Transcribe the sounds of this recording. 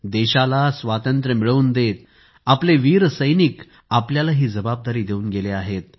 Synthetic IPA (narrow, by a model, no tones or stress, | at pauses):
d̪eɕalasʋat̪ənt̪ɾəmiɭəuːnd̪et̪̚ | apleʋiːɾsəjnik | apljalaɦiːd͡zəbab̚d̪aɾiːd̪euːnɡeleaɦet̪̚